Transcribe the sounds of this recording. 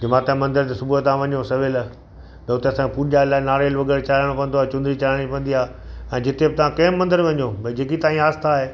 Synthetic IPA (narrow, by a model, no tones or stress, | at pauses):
d͡ʑɪmaːt̪ãmɐ̃nd̪əɾt̪esʊbuət̪ãːʋɐɲjosɐʋɪl | t̪ɐʊt̪eɐsãkepuːʄaːɪlaːɪnaːɾeːlʋɐɡɛːɾt͡ɕalːɽ̃õkɐ̃nd̪oaet͡ɕʊ̃nd̪ɾit͡ɕɐlaːɽ̃pɐ̃nd̪iaː | ɛ̃ːd͡ʑɪt̪ebɪt̪ɐʋ̤ãkɐːmːɐ̃nd̪əɾʋɐɲobʱɐid͡ʑeːkit̪ãːɦĩaːst̪ʰaːɦeː